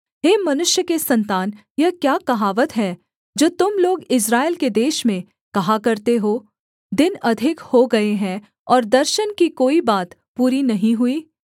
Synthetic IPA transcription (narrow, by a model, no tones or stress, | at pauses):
ɦeːmɐnʊʃjəkesɐ̃nt̪aːn | jɐkjaːkɐɦaːʋət̪ɦɛː | d͡ʒoːt̪ʊmloːɡɪs̬ɾaːelked̪eːʃmẽ | kɐɦakɐɾt̪eɦoː | d̪ɪnɐd̪ʱɪkhoɡɐeɦɛ̃ | ɔːɾd̪ɐɾʃənkikoːibaːt̪puːɾinɐɦĩɦʊiː